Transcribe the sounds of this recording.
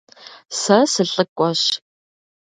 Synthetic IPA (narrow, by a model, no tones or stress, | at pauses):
sɐsɨɬʼɨkʷʼɔɕ